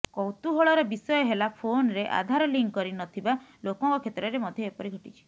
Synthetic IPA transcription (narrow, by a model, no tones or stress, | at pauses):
kɔwt̪uɦoɭɔɾɔbisɔjɔɦelapʰonɾeʔa̰d̪ʱaɾɔliŋkkɔɾinɔt̪ʰibalokɔŋkɔkʰet̪ɾɔɾemɔd̪ʱjɔepɔɾiɡʱɔʈit͡ʃʰi̥